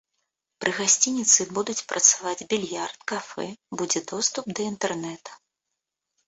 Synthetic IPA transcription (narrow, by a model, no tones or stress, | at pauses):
pɾʔɨɣasʲt͡sʲinʲit̪sɨbud̪ut͡sʲpɾʔɐt̪savad͡zʲbʲilʲjart̪̚kafɛ̰bud͡zʲɛd̪ɔst̪up̚d̪ɐint̪ɛrnɛt̪ɐ̥